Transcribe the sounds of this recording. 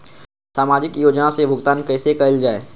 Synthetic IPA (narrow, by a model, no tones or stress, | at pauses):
saːmaːd͡ʒɪkjoːd͡ʒnasebʱʊɡt̪aːnkɛːsekɐɪld͡ʒaːeː